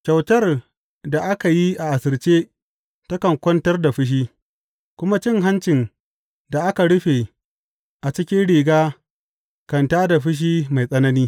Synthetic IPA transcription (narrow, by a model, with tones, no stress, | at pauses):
t͡ʃʲa˨wtɐ˦r | da˨ʔa˦ka˨ji˦ʔa˨ʔa˨sɪ˨lt͡ʃeː˦ | tɐ˦kɐ˨ŋkʷɔ˦ntɐ˦rda˨ɸɪ˦ʃ̬iː˦ | kʷʊ˦ma˦t͡ʃɪ˦ŋɦa˦nt͡ʃɪ˨n | da˨ʔa˦ka˨ɽʊ˦ɸe˨ | ʔa˨t͡ʃɪ˦kʲɪ˦nɽiː˨ɡaː˦ | kɐ˨ntaː˦da˨ɸɪ˦ʃ̬iː˦ma˨jsʼɐ˦nɐ˦niː˦